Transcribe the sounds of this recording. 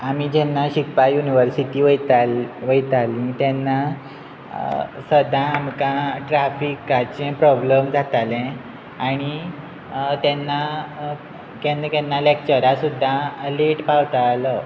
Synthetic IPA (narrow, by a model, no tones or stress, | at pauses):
amid͡ʑɛnːaɕikpajuniʋəɾsiʈ̪iːʋt̪ʋəjt̪alĩt̪jɛnːa | səd̪ʱãːmkãʈɾafikat͡sẽpɾɔbləmd͡zʱat̪alẽ | aɽ̃i | t̪jɛnːa | kɛnkɛnːalek̚t͡ɕəɾasud̪ʱːaleʈpawt̪alə